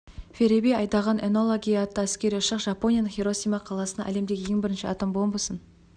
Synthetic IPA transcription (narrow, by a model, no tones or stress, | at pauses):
feɾebejɑjd̪ɑʁɑneno̞lˠoɡʲijɑt̪ːəæskʲe̞ɾijʊʃəqʒɑpo̞nʲijanəχeɾo̞sʲijmɑqʰɑlˠɑsənɑ̰ʔæle̞md̪e̞ɡʲɪjeŋbɪɾɪnʃɪɑt̪ambombəsən